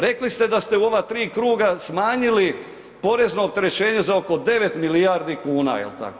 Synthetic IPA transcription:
ɾe̞klist̪e̞d̪ast̪euo̞ʋat̪ɾiːkɾuːɡasmaːɲili | po̞ɾe̞zno̞ːp̚t̪e̞ɾe̞t͡ɕe̞ːɲe̞zao̞ko̞d̪e̞ʋe̞t̪milijaɾd̪ikuːna̰jḛlt̪a̰ko

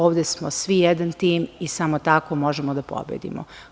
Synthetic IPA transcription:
oːʋd̪esmosʋijɛd̪ant̪iːmisamot̪akomo̞ʒemod̪apo̰bjḛd̪ḭmo̰

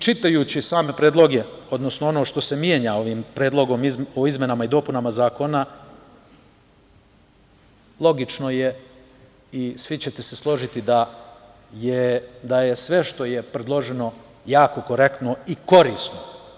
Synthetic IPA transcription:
t͡ʃit̪ajuːt͡ɕisaːme̞pɾeːd̪lˠo̞ɡe̞o̞d̪no̞snoo̞no̞ːʃt̪o̞se̞mjeɲao̞ʋiːmpɾeːd̪lˠo̞ɡo̞mioizmje̞namaid̪o̞ːpunamazaːko̞na | lˠo̞ɡit͡ʃno̞je | isʋit͡ɕe̞t̪ese̞slˠo̞ʒit̪id̪a | jed̪aje̞sʋe̞ʃt̪o̞je̞pɾed̪lˠo̞ʒeno̞ | jaːko̞ko̞ɾe̞kt̪no̞iko̞ɾiːsno

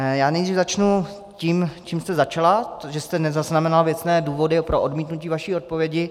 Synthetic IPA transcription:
jaːnɛjd̪riːvzat͡ʃnu | ciːmt͡ʃiːmst̪ɛzat͡ʃalaʒɛst̪ɛnɛzaznamɛnalvjɛt͡snɛːduːvo̞dɪpɾoʔodmiːt̪nuciːvaʃiːo̞t̪̚povjɛɟɪ

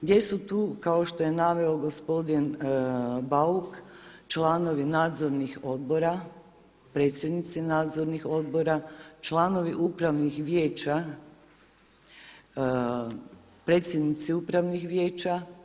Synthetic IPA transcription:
ɡd̪je̞sut̪uːkao̞ʃt̪o̞je̞naʋe̞o̞ɡo̞spo̞d̪in | baukt͡ʃlˠano̞ʋinaːd̪zo̞ɾnixo̞d̪̚bo̞ɾa | pɾe̞ːt̪sʲjed̪nit̪sinaːd̪zo̞ɾnixo̞d̪̚bo̞ɾat͡ʃlˠano̞ʋiʔupɾaʋnixʋje̞ːt͡ɕa | pɾe̞ːt̪sʲjed̪nit̪siupɾaʋnixʋjeːt͡ɕa

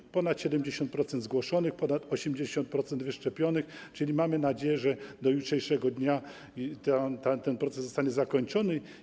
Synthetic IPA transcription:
pɔnat̪ɕɛd̪ɛmd͡ʑeɕɔnt̪̚pɾɔt̪sɛnd̪zɡwɔʂɔnɘxpɔnat̪ɔɕɛmd͡ʑeɕɔnt̪̚pɾɔt̪sɛnd̪vɘʂt͡ʂɛpʲjɔnɘxt͡ʂɘlʲimamɘnad͡ʑejɛʐɛd̪ɔjutʂɛjʂɛɡɔd̪ɲa | t̪at̪at̪ɛnpɾɔt̪sɛsːɔst̪aɲɛzakɔɲt͡ʂɔnɘ

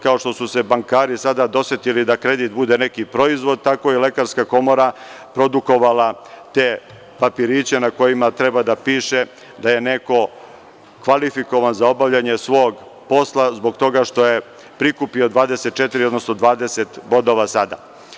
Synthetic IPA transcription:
kao̞ʃt̪o̞suse̞baŋkaːɾisad̪ad̪o̞sjet̪ilid̪akɾe̞d̪it̪bud̪e̞ne̞kipɾo̞izʋo̞d̪̚t̪akojele̞kaɾskako̞mo̞ɾa | pɾo̞d̪uko̞ʋalat̪e | papiɾit͡ɕe̞nako̞jimat̪ɾe̞bad̪apiːʃe̞ | d̪aje̞ne̞ko̞ | kʋalifiko̞ʋanzao̞baʋʎaɲe̞sʋo̞ːɡ | po̞slˠazbo̞ɡt̪o̞ɡaʃt̪o̞je̞ | pɾikupio̞d̪ʋaːd̪e̞set̪̚t͡ʃe̞t̪iɾiod̪no̞sno̞d̪ʋaːd̪eset̪bo̞d̪o̞ʋasad̪a̰

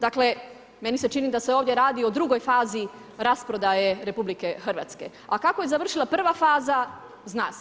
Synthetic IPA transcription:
d̪akle̞ | me̞nise̞t͡ʃinid̪aseoʋd̪je̞ɾaːd̪iod̪ɾuɡo̞jfaːzi | ɾaspɾo̞d̪aje̞ɾe̞publike̞xr̩ʋa̰t̪ske̞̰ | akakoje̞zaʋr̩ʃilˠapr̩ʋafaːza | zna̰ːs

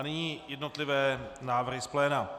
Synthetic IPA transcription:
nɪɲiːjɛd̪not̪lɪvɛːnaːvr̩ɦɪsplɛːna

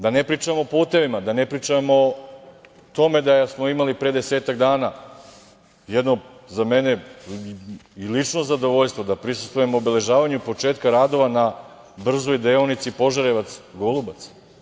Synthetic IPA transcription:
d̪anepɾiːt͡ʂamoːpuːt̪e̞ʋimad̪anepɾiːt͡ʂamo | t̪o̞me̞d̪ajasmo̞imalipɾed̪e̞seːt̪aɡd̪aːna | jɛd̪no̞zame̞ne | ilit͡ʂno̞zad̪o̞ʋoʎst̪ʋo̞d̪apɾisu̥st̪ʋuje̞moːbele̞ʒaːʋaɲupo̞t͡ʂe̞ːt̪kaɾaːd̪o̞ʋana | br̩zojd̪eonit̪sipo̞ʒaɾeʋat̪sɡolˠubat̪s

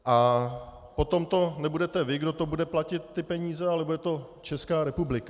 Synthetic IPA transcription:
ʔa | po̞t̪o̞mt̪o̞nɛbudɛt̪ɛvɪɡdo̞t̪o̞budɛplacɪt̪̚ːɪpɛɲiːzɛalɛbudɛt̪o̞ | t͡ʃɛskaːɾɛpublɪka

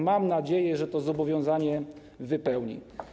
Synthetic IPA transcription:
mamnad͡ʑejɛʐɛt̪ɔzɔbɔvʲjɔ̃w̃zaɲɛ | vɘpɛwɲḭ

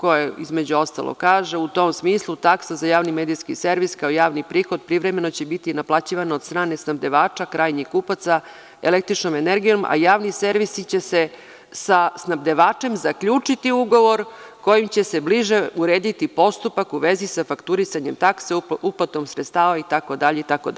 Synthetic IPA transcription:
ko̞jeizmed͡ʑuo̞st̪a̰lˠʔo̰kaːʒe̞ut̪o̞msmiːslˠut̪aksazajaːʋnimed̪iskiseɾʋiskaojaːʋnipɾiːxo̞d̪̚pɾiʋɾeme̞not͡ɕebit̪inaplˠat͡ɕiʋanaod̪st̪ɾaːne̞snabd̪e̞ʋaːt͡ʂakɾaːjɲikupat̪sa | elek̚t̪ɾit͡ʃno̞meneɾɡijomʔa̰jaːʋnise̞ɾʋisit͡ɕe̞se | sasnabd̪eʋaːt͡ʂe̞mzakʎuːt͡ʂit̪iuɡo̞ʋo̞ɾ | ko̞jimt͡ɕe̞se̞bliʒe̞uɾeːd̪it̪ipo̞st̪upakuʋe̞zisafakt̪uɾisaɲe̞mt̪akseuplat̪nomsɾet̪st̪aːʋait̪ako̞d̪aʎeit̪ako

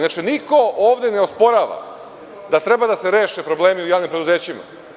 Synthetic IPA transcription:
nat͡ʃiniko̞oːʋd̪eneospo̞ɾaːʋa̰ | d̪at̪ɾe̞bad̪aseɾe̞ːʃepɾo̞ble̞ːmiujaːʋnimpɾe̞d̪uze̞ːt͡ɕima̰

